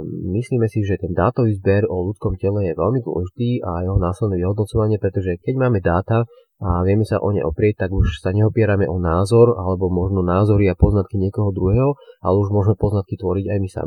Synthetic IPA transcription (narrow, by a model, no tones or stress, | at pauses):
misliːmɛsiʒɛt̪ɛnd̪a̰ːt̪ɔʋiːzbɛɾɔlut͡skɔmcɛlɛjɛʋɛ̰lmid̪wɔ̰lɛʒit̪iːajɛɦɔnaːslɛd̪nɛːʋiɦɔd̪nɔt͡sɔʋaɲɪɛpɾɛt̪ɔʒɛkɛɟmaːmɛd̪aːt̪a | aʋɪɛmɛsa̰ʔɔ̰ɲɛ̰jʔɔ̰pɾɪɛc̚t̪aɡuʃsaɲɛɔpɪɛɾamɛʔɔnaːzɔɾalɛbɔmɔʒnɔnaːzɔɾiapɔznat̪̚kiɲɪɛkɔɦɔd̪ɾuɦɛːɦɔa̰lɛuʒmʊɔʒmɛpɔznat̪kit̪ʋɔɾiɟajmisa̰mi